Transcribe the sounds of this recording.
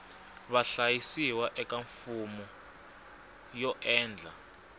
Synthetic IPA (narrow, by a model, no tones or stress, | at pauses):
βaɬajisiwaʔɛk̬ʼaɱfumɔ | jɔʔɛːnd͡ɮʱa